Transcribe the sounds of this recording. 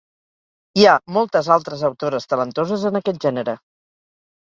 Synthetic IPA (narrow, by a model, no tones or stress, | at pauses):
iamɔlˠt̪əzalˠt̪ɾəzəwt̪oɾəst̪ələnt̪ozəzənəkɛt̪̚ʒɛnəɾə